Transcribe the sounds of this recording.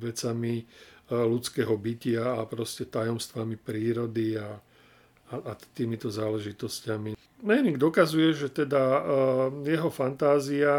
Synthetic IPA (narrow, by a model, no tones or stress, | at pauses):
ʋɛt͡sami | lut͡skɛːɦɔbicɪaːpɾɔscɛt̪ajɔmst̪ʋamipɾiːɾɔd̪iaː | ʔːt̪iːmit̪ɔzaːlɛʒit̪ɔscami | mɛjniŋɡd̪ɔkazujɛʒɛt̪ɛd̪a | jɛɦɔfant̪aːzia